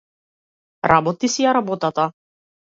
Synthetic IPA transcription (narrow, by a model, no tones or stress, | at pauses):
ɾabɔt̪isijaɾabɔt̪at̪a